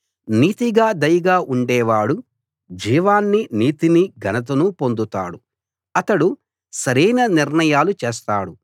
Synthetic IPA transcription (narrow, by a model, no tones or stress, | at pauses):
niːt̪iɡaːd̪ɐjɐɡaːʔuɳɖɛːʋaːɽu | d͡ʒiːʋaːnːiniːt̪iniɡɐnɐt̪̬ɐnupo̞nd̪ut̪a̰ːɽu | ɐt̪ɐɽu | sɐɾɐjnɐniɾɳɐjaːlut͡ʃeːst̪a̰ːɽu